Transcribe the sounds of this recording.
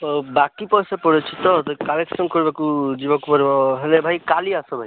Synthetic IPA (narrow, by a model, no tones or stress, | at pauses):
bakipɔjsɔpɔɽet͡ʃʰit̪ɔt̪ɔkaleksɔŋkɔɾibakud͡ʒibɔkupɔɾibɔɦelebʱajkaliasɔbʱaj